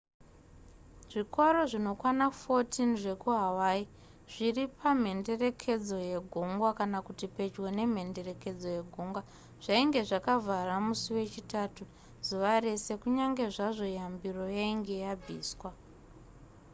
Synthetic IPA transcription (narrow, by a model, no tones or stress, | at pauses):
ʐ̥ikoɾo̞ʐino̞kwanafo̞tʰinʐe̞kuɦawai | ʐ̥iripam̤e̞nde̞re̞kʰe̞d͡zo̞je̞ɡʱoŋɡwakanakutipe̞d͡ʒwe̞ne̞m̤e̞nde̞re̞ke̞d͡zo̞je̞ɡʱoŋɡwa | ʐ̥aiŋɡe̞ʐakavʱaramusuwe̞t͡ʃitaːtu | zuʋaɾese̞kuɲaŋɡe̞ʐaʐo̞jambiro̞jaiŋɡe̞jabʱiːswa